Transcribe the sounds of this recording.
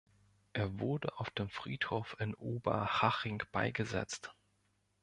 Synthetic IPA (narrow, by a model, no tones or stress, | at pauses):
ʔeːɐvʊɐdəʔaʊfd̥eːmfʁ̥iːthoːfɪnʔuːbɐ̰haʁɪŋb̥aɪɡəzɛ̰t͡st